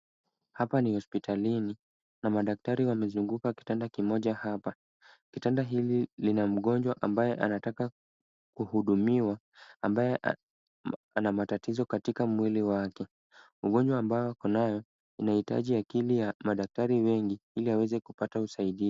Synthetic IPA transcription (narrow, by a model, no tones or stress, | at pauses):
hapanihɔspitʰalini | namaɗak̚taɾiwamɛzuŋɡukaki̥tandakimɔʄahapa | kitandaɦililinam̩ɠɔnd͡ʒwaʔambajɛʔanataka | kuhuɗumiwaː | mbajɛʔ | anamatatizɔkatikamwiliwakɛ | uɠɔɲd͡ʒwaːmbajɔakɔnajɔ | inahita̰ʄiakilijamaɗak̚taɾiwɛŋɡiiliawɛzɛkupatausaiɗi